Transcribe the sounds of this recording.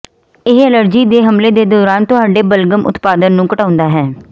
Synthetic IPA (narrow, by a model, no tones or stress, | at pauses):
ɪɦələɾd͡ʒiːd̪eːɦəmleːd̪eːd̪ɔːɾaːnt̪ʊɦaːɖeːbəlɡəmʊ̰t̪paːd̪ənːũːkəʈaːʊ̃nd̪aːɦɛː